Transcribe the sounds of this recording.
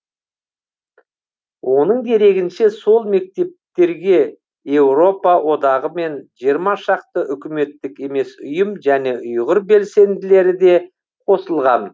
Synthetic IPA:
wʔo̞nəɴd̪e̞ɾe̞ɡʲɪnʃe̞so̞lˠme̞k̚t̪e̞p̚t̪e̞ɾɡʲe̞ | je̞wɾo̞pɑwʔo̞d̪ɑʁəme̞nʒijəɾmɑʃɑq̚t̪əʔʏkʲɪme̞t̪ːɪke̞me̞sʊjəmʒæne̞ʔʊjʁəɾbe̞lse̞nd̪ɪle̞ɾɪd̪e̞ | qʰo̞səlˠʁɑn

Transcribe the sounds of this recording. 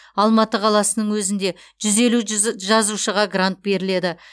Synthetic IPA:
ɑlˠmɑt̪əqʰɑlˠɑsənəɴwɵzɪnd̪e̞ | ʒ̥ʏze̞luʒɑzuʃəʁɑɡrant̪̚be̞ɾɪle̞d̪ɪ

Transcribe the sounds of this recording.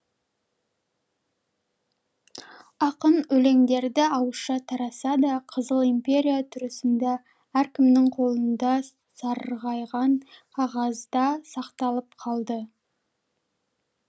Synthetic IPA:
ɑqənɵle̞ŋd̪e̞ɾd̪ɪɑwəʃɑt̪ʰɑɾɑsɑd̪ɑqʰəzəlˠimpʲe̞ɾʲijat̪ʰʏɾɪsɪnd̪e | æɾkʲɪmnɪŋqʰo̞lˠənd̪ɑ | sɑɾʁɑjʁɑɴqʰɑʁɑzd̪ɑsɑqt̪ɑlˠəpqʰɑlˠd̪ə

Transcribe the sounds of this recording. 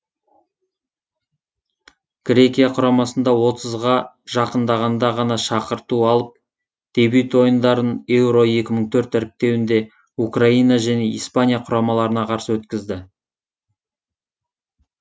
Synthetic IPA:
ɡ̥rʲe̞kʲijaqʰʊɾɑmɑsənd̪ɑwo̞t̪əzʁɑ | ʒɑqənd̪ɑʁɑnd̪ɑʁɑnɑʃɑqəɾt̪uɑlˠəp̚ | d̪̥e̞byt̪wo̞jənd̪ɑɾəne̞wɾo̞e̞kʲɪməɴt̪ʰɵɾt̪æɾɪp̚t̪e̞wɪnd̪e̞ | ukraijnɑʒæne̞ijspanʲijaqʰʊɾɑmɑlˠɑɾənɑqʰɑɾsəwɵt̪kʲɪzd̪ɪ

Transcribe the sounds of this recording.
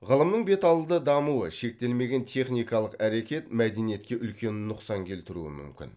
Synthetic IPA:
ʁəlˠəmnəɴbe̞t̪ɑlˠəd̪əd̪ɑmuə̰ʃe̞k̚t̪e̞lme̞ɡʲe̞nt̪ʰe̞χnijkɑlˠəqæɾe̞kʲe̞t̪mæd̪e̞nije̞t̪̚kʲe̞ʔʏlkʲe̞nɪnʊqsɑŋkʲʰe̞lt̪ɪɾṵɪ̰mʏ̰mkʲɪ̰n

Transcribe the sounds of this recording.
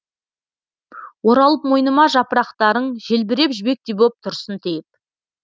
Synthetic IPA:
wo̞ɾɑlˠəp̚mo̞jnəmɑʒɑpəɾɑqt̪ɑɾəɴʒelbɪɾe̞pʒɪbe̞k̚t̪ebop̚t̪ʰʊɾsənt̪ʰejɪp̚

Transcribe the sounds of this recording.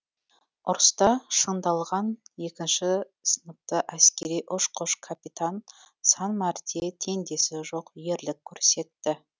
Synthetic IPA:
ʊɾst̪ɑʃənd̪ɑlˠʁɑnje̞kʲɪnʃɪ | sənəp̚t̪əʔæskʲe̞ɾijʔʊʃqʰʊʃkʰapit̪an | sɑnmɑɾd̪et̪ʰe̞nd̪e̞sɪʒo̞qje̞ɾlɪkʲʰːɵɾse̞t̪ːɪ

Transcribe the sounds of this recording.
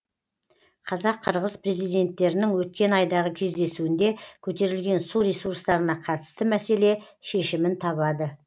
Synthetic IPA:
qʰɑzɑqʰːəɾʁəzpre̞zijd̪e̞nt̪ːe̞ɾɪnɪŋwɵt̪̚kʲe̞nɑjd̪ɑʁəkʲʰe̞zd̪e̞suɪnd̪e̞kʲʰɵt̪e̞ɾɪlɡʲe̞nsuɾʲesuɾst̪ɑɾənɑqʰɑt̪ə̥st̪əmæse̞le̞ | ʃe̞ʃɪmɪnt̪ʰɑβɑd̪ə

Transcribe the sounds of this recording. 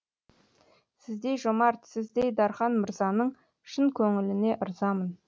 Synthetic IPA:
sɪzd̪e̞jʒomɑɾt̪sɪzd̪e̞jd̪ɑɾχɑnməɾzɑnəɴ | ʃɪnkʲʰɵŋɪlɪne̞ʔʊɾzɑmən

